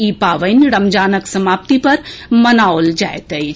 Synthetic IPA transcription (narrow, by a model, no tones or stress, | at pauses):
iːpaːʋəɪnɾɐmd͡ʒaːnəksɐmaːp̚t̪ipɐɾmɐnaːold͡ʒaːet̪ə